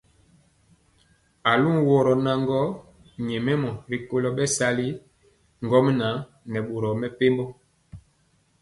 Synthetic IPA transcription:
a˨lu˦ŋwɔ˨ɾɔ˨na˨ŋ˦ɡɔ˦ | ɲɛ˨mɛ˦mɔ˨ɾi˨ko˦lɔ˦ɓɛ˦sa˦li˦ | ŋ˨ɡɔ˦m˦na˨˦ | nɛ˨ɓo˨ɾɔ˨mɛ˦pe˦mbɔ˦

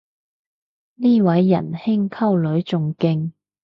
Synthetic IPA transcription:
niː˥wɐ˨˥jːɐ̰˨˩nhɪ˥ŋkʰɐ˥wlɵ˨˥ɥt͡sʊ˨ŋkɪ˧ŋ

